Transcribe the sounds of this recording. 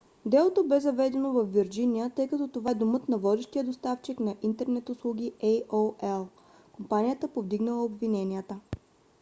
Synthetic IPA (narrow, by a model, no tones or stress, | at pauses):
d̪ɛlˠot̪obɛzɐvɛd̪ɛnovɐfːiɾd͡ʒinijət̪ɤjkɐt̪ɔt̪ovaɛd̪omɤt̪nɐvɔd̪ɛʃt̪ijəd̪ost̪aft͡ʃiknɐʔint̪ɛɾnɛt̪ʊslˠuɡ̟ʲiʔɛjoɛlˠ | kompanijət̪əpovd̪iɡnəlˠəobvinɛniət̪ə